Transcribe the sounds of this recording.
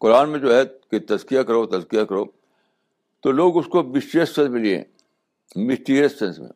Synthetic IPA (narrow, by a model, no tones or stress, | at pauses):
qʊɾaːnmẽd͡ʒoːɦɛket̪ɐzkijakɐɾot̪ɐzkijakɐɾoː | t̪oloːɡʊskomɪsʈeːsɛ̃nsmẽliḛ̃ | mɪsʈiːɾijəssɛ̃nsmḛ̃